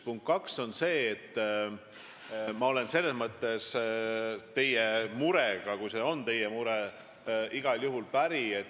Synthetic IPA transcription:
puŋkt̪̚kɑkso̞nse̞ːt̪ː | mɑo̞le̞nse̞lːesmɤt̪ːˑe̞s | t̪e̞jemuɾeɡ̥ɑkujse̞o̞nt̪e̞jemuɾe | iɡ̥ɑljuɦulpæɾie̞t̪ː

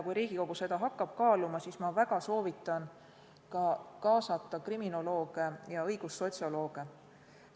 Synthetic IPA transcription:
kujɾiːɡ̥iko̞ɡ̥use̞d̪ɑɦɑkːˑɑb̥kɑːlumɑsismɑvæɡ̥ɑso̞ːvit̪ːˑɑn | kɑkɑːsɑt̪ːˑɑkrimino̞lo̞ːɡ̥ejɑɤjɡ̥usːo̞t̪ʲsio̞lo̞ːɡ̥e

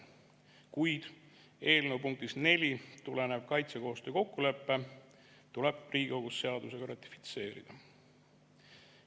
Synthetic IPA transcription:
kujd̪̥ | e̞ːlnewpuŋk̚t̪isne̞lʲit̪ulenev̥kɑjt̪seko̞ːst̪øːko̞kːule̞pːe̞ | t̪uleb̥riːɡ̥ioɡ̥usːe̞ɑd̪use̞ɡ̥ɑɾɑt̪ˑːi̥fi̥t̪se̞ːɾḭd̪̥ɑ

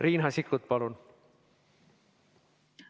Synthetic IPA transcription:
riːnɦɑsikːˑut̪̚pɑlun

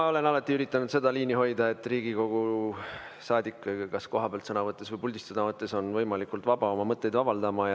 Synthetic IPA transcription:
o̞le̞nɑlɑt̪ːˑiyɾit̪ːˑɑnud̪se̞d̪̥ɑliːniɦo̞jd̪̥ɑe̞t̪ːriːɡiko̞ɡ̥u | sɑːd̪ikːkɑsko̞ɦɑpeɑlt̪sɤnɑvɤt̪ˑːe̞svɤjpulʲd̪ist̪sɤnɑvɤt̪ːˑe̞so̞nvɤjmɑlikˑult̪vɑbɑo̞mɑmɤt̪ˑːe̞jd̪vɑbɑld̪ɑmɑj

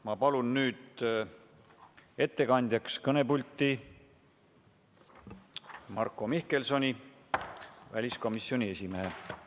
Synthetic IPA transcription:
mɑpɑlunnyːd̪ | e̞t̪ːe̞kɑnʲd̪̥ʲjɑkskɤne̞pulʲt̪ːˑi | mɑrkːˑo̞mihke̞lso̞nʲi | væ̰lʲisko̞misːio̞nʲie̞simeɦe

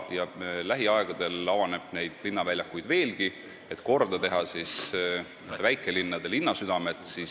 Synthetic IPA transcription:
jɑlæɦiɑe̞ɡ̥ɑd̪̥e̞lɑvɑne̞b̥ne̞jd̪̥linːɑvælʲjɑkːˑujd̪ve̞ːlɡ̥i | e̞t̪ko̞rd̪̥ɑt̪e̞ɦɑsis | væjkˑːe̞linːɑd̪̥e̞linːɑsyd̪̥ɑme̞t̪ˑsis

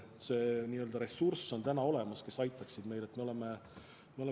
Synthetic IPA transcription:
se̞ːniːøld̪ɑɾe̞sːurso̞nt̪ænɑo̞le̞mɑske̞sɑjt̪ːˑɑksid̪̥me̞jle̞t̪ːme̞o̞le̞me | meole

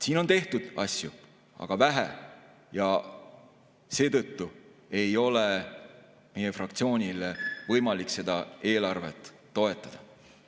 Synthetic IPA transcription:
siːno̞nt̪e̞ht̪ud̪̥ɑsʲju | ɑ̰ɡ̥ɑvæɦḛ | jɑ | se̞ːt̪ɤ̞t̪ːue̞jo̞le | me̞jefrɑkt̪sio̞ːnʲilevɤjmɑlikse̞d̪̥ɑe̞ːlɑrve̞t̪ːo̞e̞t̪ːˑɑd̪̥ɑ

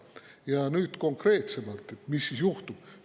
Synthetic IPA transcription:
jɑnyːt̪ko̞ŋkre̞ːt̪se̞mɑlt̪ˑe̞t̪ːˑmisːisjuht̪ub̥

